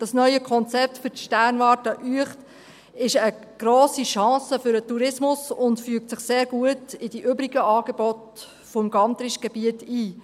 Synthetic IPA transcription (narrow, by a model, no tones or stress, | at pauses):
d̥ɑsnœʏəkʰɔnt͡sɛp̚tfʏʃtæːrnʋɑːtəʔyəχt | ɪʃəɡ̥ɾɔːsiʃɑ̃ːsəfʏɾətuɾɪsmʊsʊntfyːək̚tt͡sɪχseːɾɡ̥uətɪd̥iʔʏbɾiɡ̥əʔɑːɡ̥ebɔt | fɔmɡɑnt̪ɾiʃɡ̥ɛbiətiː